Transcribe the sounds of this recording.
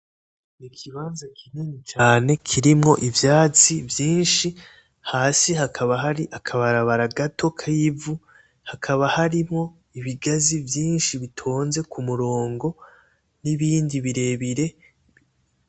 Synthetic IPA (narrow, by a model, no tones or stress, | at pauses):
nikʰiβaːnzakʰinenit͡ʃaːne̞kʰiɾimŋo̞ʔivjaːt͡sivjiːnʃi | haːsiɦakʰaβaɦaɾiʔakʰaβaɾaβaɾaɡatʰo̞kʰajivu | hakʰaβahaɾimŋo̞ | iβiɡazivjiːnʃiβitʰo̞ːnze̞kumuɾo̞ːŋɡo̞ | niβiːndiβiɾe̞βiɾe̞